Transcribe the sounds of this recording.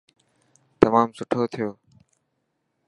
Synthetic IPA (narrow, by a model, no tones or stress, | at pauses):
t̪əmaːmsʊʈʰoːt̪ʰɪjoː